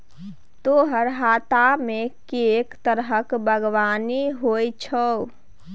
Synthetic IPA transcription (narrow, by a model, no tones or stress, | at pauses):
t̪oːɦəɾɦaːt̪amekekt̪əɾɦəkbʱəɡʋaːniɦojt͡ʃʰɔ